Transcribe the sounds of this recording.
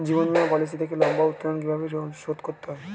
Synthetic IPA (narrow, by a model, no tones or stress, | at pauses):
d͡ʑibonmiapɔlis̬id̪ʰʱekelɔmbaut̪ːoɾonk̬ibʱabeoʃod̪koɾt̪ːeɦɔ